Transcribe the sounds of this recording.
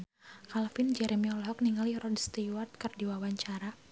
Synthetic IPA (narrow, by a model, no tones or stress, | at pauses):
kalfind͡ʒɛɾɛmiɔlɦɔk̚niŋaliɾɔdst̪iwat̪̚kərdiwawaɲt͡ʃaɾa